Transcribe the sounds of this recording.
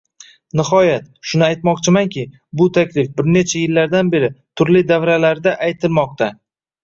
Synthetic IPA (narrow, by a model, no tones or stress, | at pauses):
nɪhɒjat̪ | ʃʊnɪajt̪mɒqt͡ʃʰɪmaŋkʲɪ | bʊt̪ʰakʲlɪfbɪɾne̞t͡ʃʰajɪlːaɾd̪anbe̞ɾɪt̪ʰʊɾlɪd̪avɾalaɾd̪aʔajt̪ʰɪlˠmɒq̚t̪ʰa